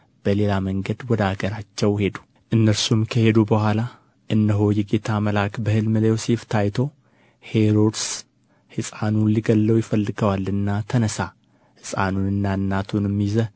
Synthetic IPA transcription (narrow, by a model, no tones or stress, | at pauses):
b̥əle̞laməŋɡəd̪wɔd̪aɡəɾat͡ʃːɛwhe̞d̪u̥ | ʔɨnːəɾsumkʰəhe̞d̪ubəhʷala | ʔɨnːəɦo̞jɛɡe̞t̪ʰaməlakbəhɨlmɨləjoseft̪ʰajt̪ʰo̞ | he̞ɾod̪s | hɨsʼanunliɡəlːəwjɪfəlːɨɡəwalːɨnːat̪ʰənəsa | hɨsʼa̰nunɨnːaɨnːat̪ʰunɨmːizə